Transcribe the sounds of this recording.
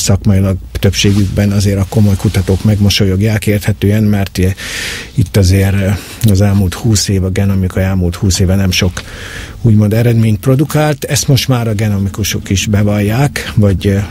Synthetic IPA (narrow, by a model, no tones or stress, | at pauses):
sɒkmɒjilɒɡ̚t̪øpʃeːɡyɡbɛnɒzeːɾɒko̞mo̞jkut̪ɒt̪oːkmɛɡmoʃo̞joɡjaːlkeːrt̪hɛt̪øːɛnmɛrt̪ | it̪ːɒzeːɾ | ɒzɛlmuːlt̪huːseːvɒɡɛno̞mikɒɛlmult̪huːseːvɛnɛmʃo̞k | uːɟmo̞nd̪ɛɾɛd̪meːɲt̪̚pro̞d̪ukaːlt̪ɛst̪mo̞ʃt̪maːɾɒɡɛno̞mikuʃo̞kiʒbɛvɒjːaːkvɒɟ